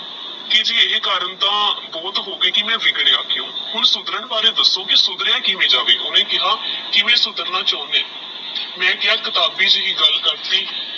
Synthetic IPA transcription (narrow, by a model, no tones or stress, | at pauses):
kɪd͡ʒiːeːkaːɾəɳt̪ãːbɔːt̪ɦoːɡeːkɪmɛ̃ːʋɪɡɽeːaːkʰːɪjõːhʊɳsʊd̪ɾəɳbaːɾẽːd̪əsːõːkɪsʊd̪ɾjãːkiʋẽːd͡ʒaːʋeːʔʊnẽːkɪɦaːkɪʋẽːsʊd̪əɾnãːt͡ʃaːnẽː | mɛ̃ːkɪɦaːkɪt̪aːbiːt͡ʃɦiːɡəlkəɾt̪iː